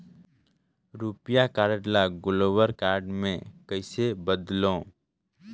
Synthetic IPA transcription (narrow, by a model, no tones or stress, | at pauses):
ɾupɪjakaːɾɖlaɡʊloːwəɾkaːɾɖmẽkəɪsebəd̪lõː